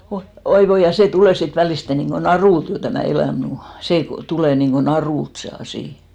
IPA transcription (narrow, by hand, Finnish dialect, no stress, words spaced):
oi oi ʋoi jɑ seˑ tuleˑ sit ʋæliste niŋɡ̊o nɑruˑlt jo tæmæˑ elæˑm mu seˑ tuleˑ niŋko nɑruˑlt se ɑsiˑ